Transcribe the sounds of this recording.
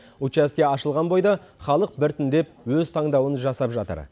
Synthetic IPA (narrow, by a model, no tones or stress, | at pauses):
ut͡ʃæskʲe̞ɑʃəlˠʁɑnbo̞jd̪ɑχɑlˠəq̚bɪɾt̪ʏnd̪e̞p̚ | wɵzt̪ʰɑɴd̪ɑwənʒɑsɑpʒɑt̪ə̰ɾ